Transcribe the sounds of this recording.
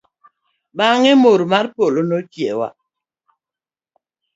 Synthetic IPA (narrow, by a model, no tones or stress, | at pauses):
ɓaŋemoɾmaɾpolonɔkjɛwa̰